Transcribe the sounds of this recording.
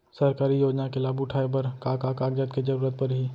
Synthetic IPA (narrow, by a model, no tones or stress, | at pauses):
sɐɾkaːɾijoːd͡ʒnakelaːbʊʈʰaːepɐɾkaːkaːkaːɡd͡ʒət̪ked͡ʒəɾuːɾət̪̚pɐɾɦiː